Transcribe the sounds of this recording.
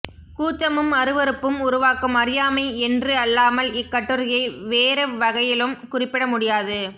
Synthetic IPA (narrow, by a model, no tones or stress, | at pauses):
kuːt͡ʃːɐmɯmɐɾɯʋɐɾɯpːɯmʊɾʊʋaːkɯmɐɾɪjaːmɐɪɛndrɯɐlːaːmɐlɪkːɐʈːɯɾɪjɐɪʋeːɾɐʋɐɣɐjɪlɯmkʊrɪpːɪɽɐmʊɽɪjaːðɯ